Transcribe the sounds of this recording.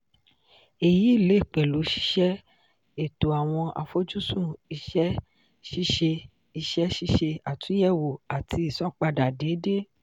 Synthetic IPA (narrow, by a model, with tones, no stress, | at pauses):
e˨ji˨˦i˦˨le˨˦˨k͡pɛ˨lu˨˦ʃi̥˧˦ʃɛ˦ | e˦˨to˨a˨w̃ɔ̃˧ʔa̰˧fo˦d͡ʒu˦sũ˦˨i˧ʃɛ˦ | ʃi˦ʃe˧ | i˧ʃɛ˦ʃi˦ʃe˧a˨tũ˨˦jɛ˦˨wo˨a˨tʰi˧˦i˨sɔ̃˦˨k͡pa˧da˨de˨˦de˦